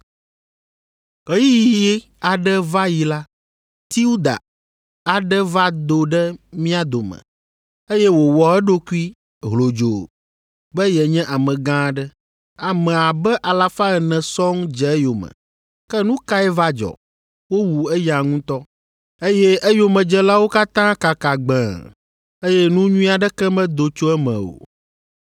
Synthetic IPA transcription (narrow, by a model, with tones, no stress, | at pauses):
ɣɛ˦ji˦jii˦jɛ˦ | a˨ɖɛ˦va˦ji˨la˦ | t̪i˦u˦d̪a̰˨ | a˨ɖɛ˦va˦d̪o˨ɖɛ˦mĩ˦a˦d̪o˨mə̰˨ | e˦jɛ˦wo˨wɔ˨ɛ˦ɖo˦ku˦i˦ | ɦlo˨d͡ʒo˨ | bɛ˦jɛ˨ɲɛ̃˦ʔa˨mɛ̃˨ɡã˦ɖɛ˦ | a˨mɛ̃˨a˨bɛ˦ʔa˨la˨fa˦ɛ˨nɛ̃˨sɔ˦ŋd͡ʒɛ˨ɛ˦jo˨mə̰̃˨ | kɛ˦nũ˦ka˦ɛ˦va˦d͡ʒɔ̰˨ | wo˦wu˨ɛ˦ja˨ŋũ˦t̪ɔ˦ | e˦jɛ˦ʔɛ˦jo˨mɛ̃˨d͡ʒɛ˦la˦wo˦ka˦t̪ã˦ka˨ka˨ɡ͡bɛ̰̃˨ | e˦jɛ˦nũ˦ɲũ˦a˨ɖɛ˦kɛ˦mɛ̃˦d̪o˨t͡ʃo˦ɛ˦mɛ̰̃˨o̰˨